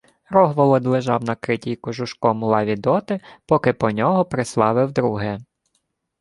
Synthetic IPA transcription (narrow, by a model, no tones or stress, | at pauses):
ɾɔɦʋɔlˠɔd̪lˠeʒɑwnɐkɾɪtʲijkɔʒʊʃkɔmʊlˠɑʋʲid̪ɔt̪ɪpɔkɪpɔnʲɔɦɔpɾɪslˠɑʋɪwd̪ɾuɦɛ